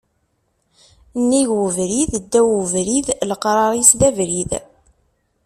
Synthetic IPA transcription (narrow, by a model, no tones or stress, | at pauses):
nːiʝwəvɾiðd̪ːæwvɾiðləqɾˤɑɾˤisðævɾið